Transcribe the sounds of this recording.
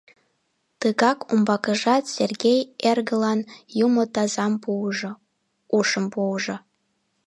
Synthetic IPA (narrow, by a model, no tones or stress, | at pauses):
t̪ɨɣɑkumbɑkə̆ʒɑt̪sʲerɡʲejerɣə̆lɑnjumot̪ɑzɑmu | uʃəmpuʒŏ